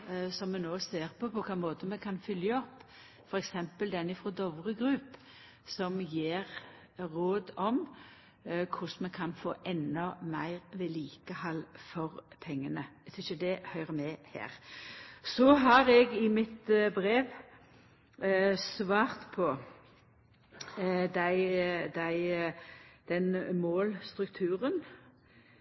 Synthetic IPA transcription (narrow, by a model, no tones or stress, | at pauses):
sɔmːɛnoːseːʁpɔpʰɔkʰɑːmoːt̪əmɛkʰɑnfʏljəɔpː | fɔɾɛksɛmpəld̪ɛnɪfɾɔd̪ɔʋʁəɡɾʉp | sɔmjeːʁ | ɾoːd̪ɔm | kʰʊsmɛkʰɑnfo̰ːʔɛnːɔmæɪʁʋɛliːkəhɑlfɔʁpʰɛŋːənəɛt̪ʰɪçəd̪ɛhœʏʁəmɛhæ̰ːʁ | sɔɦɑʁɛɡɪmɪt̪bɾeːʋ | sʋɑːʁt̪pʰɔ | d̪æɪd̪æɪ | d̪̥ɛnmoːlst̪ʁʉkt̪ʰʉːʁən